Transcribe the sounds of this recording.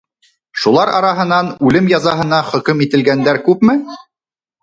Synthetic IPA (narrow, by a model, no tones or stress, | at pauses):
ʃulˠɑɾɑ̰ɾɑɦɤ̆nɑnʉlɘmjɑzɑɦɤ̆nɑχɵ̆kɵmit̪ɘ̆lɡænd̪æɾkʉpmɘ